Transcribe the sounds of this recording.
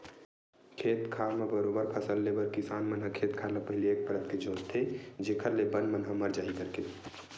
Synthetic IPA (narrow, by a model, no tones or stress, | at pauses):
kʰeːt̪kʰaːmebəɾoːbəɾpʰəsəlːebəɾkɪsaːnmənɦəkʰeːt̪kʰaːlapəɦɪlieːk̚pəɾət̪ked͡ʒõːt͡ʃt̪ʰed͡ʒekʰəɾlebənmənɦəmɐɾd͡ʒaːikəɾke